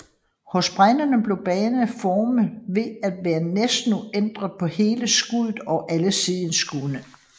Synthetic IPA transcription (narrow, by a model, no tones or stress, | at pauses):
hɔ̽sb̥ʁanɐnəb̥le̝ʊb̥ɛːnəfɒːməʋe̝æd̥ʋæːɐnesd̥nuend̥ʁɐðˠpʰɒ̽he̝ːləsɡ̥uðˠð̩ˠɒ̽ʔæləsið̰ˠən̩sɡ̥unə